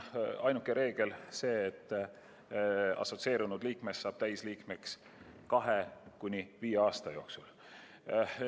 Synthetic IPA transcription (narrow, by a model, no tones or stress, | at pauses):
ɑjnukːˑeɾe̞ːɡ̥e̞lse̞ːt̪ːˑ | ɑ̰so̞t̪se̞ːɾunud̪̥liːkme̞sːɑːb̥̚t̪æjsliːkme̞ks | kɑɦekunʲiviːeɑːst̪ɑjo̞ːksul